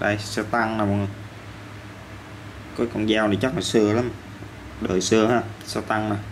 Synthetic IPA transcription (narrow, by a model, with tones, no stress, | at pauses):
ɗa̰˧˩jsɨ˧t̪a˧ŋnaː˨˩m˨˩˨ | kɔ˨˦kə̰˧wŋ͡mzaː˧wnə˨˩jt͡ɕa˦˥la˨˩sɨ˧əla˨˦m | ɗə̰ː˨˩jsɨ˧əhaː˧˩sa˧t̪a˧ŋna˨˩